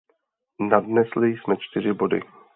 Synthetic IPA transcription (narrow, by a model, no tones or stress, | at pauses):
nadnɛslɪjsmɛt͡ʃt̪ɪr̝ɪbo̞dɪ̰